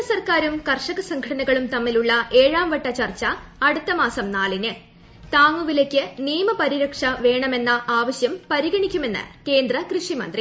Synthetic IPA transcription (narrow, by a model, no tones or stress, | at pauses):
ɐsɐrkaːɾumkɐrʂɐɣɐsɐŋkʰɐʈɐnɐɣɐɭumt̪ɐmːiluɭːɐʔe̞ːɻaːmʋɐʈːɐt͡ɕɐrt͡ɕːɐːɽut̪ːɐmaːsɐmnaːlinɨ | t̪aːŋːuʋilekʲːɨniːmɐpɐɾiɾɐkʂɐʋe̞ːɳɐme̞nːɐʔaːʋɐɕjɐmpɐɾiɣɐɳikʲːume̞nːɨ̰ke̞ːnd̪rɐkrɨʂimɐ̰nd̪ri